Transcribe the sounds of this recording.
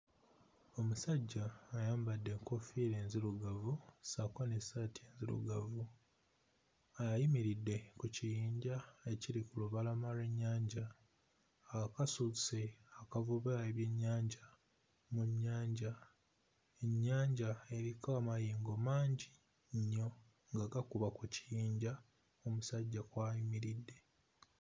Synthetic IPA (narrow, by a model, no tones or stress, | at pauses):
o̞musaɟːaːjaːmbadːe̞ŋko̞fiɾeːnziɾuɡavusakonesatʰienzilṵɡavu | ajajimiɾidːe̞kucijiːɲɟae̞ciɾikuluβalamaɾeɲːaːɲɟa | kasuseakavuβaeβje̞ɲːaːɲɟa | muɲːaːɲɟa | e̞ɲːaːɲɟae̞ɾikamajiːŋɡomaːɲɟi | ɲːo̞ | ŋɡaɡakuβakuci̥jiːɲɟa | omusaɟːakwaːjimiɾidːe̞